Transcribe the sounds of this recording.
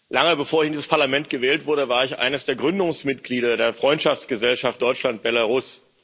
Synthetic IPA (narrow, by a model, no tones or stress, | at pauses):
laŋəbəfoːɐɪçɪndiːzəspʰaɐlamɛntɡ̥əvɛːltv̥ʊɐdəvaːɐɪçʔa̰ɪnəsd̥eːɐɡʁʏndʊŋsmɪt̚ɡ̥liːɾɐdeːɐfʁ̥ɔʏntʃaft͡sɡ̥əzɛlʃaft̚d̥ɔʏt͡ʃlant̚b̥ɛlaʁʊs